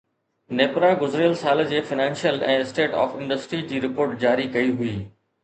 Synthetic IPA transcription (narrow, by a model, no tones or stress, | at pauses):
neːpɾãɡʊzɾjəlsaːld͡ʑeːfɪnãːnʃjəlɛ̃ːɪsʈeːʈɔ̰ːfɪ̃ɳɖəsʈɾid͡ʑiːɾɪpoːɾʈd͡ʑaːɾikɐiɦʊiː